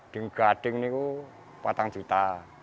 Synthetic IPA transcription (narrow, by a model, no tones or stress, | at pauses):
ɖ̥əŋɡ̥aɖ̥ɪ̤ŋniko | pat̪aŋ̥d͡ʒ̥ut̪a